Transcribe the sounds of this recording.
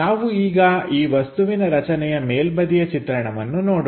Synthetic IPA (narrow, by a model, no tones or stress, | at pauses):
aːʋuiːɡɐiːʋɐst̪uʋinɐɾɐt͡ʃɐnɛjɐmeːlbɐd̪ijɐt͡ʃit̪ɾɐɳɐʋɐnːunoːɽ